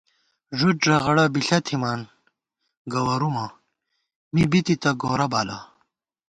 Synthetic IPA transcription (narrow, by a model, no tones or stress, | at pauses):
ʐuʈʐɐʁɐɽɐbiɬɐt̪ʰimaːn | ɡɐwɐɾuma | mibit̪it̪ɐɡoːɾɐbaːla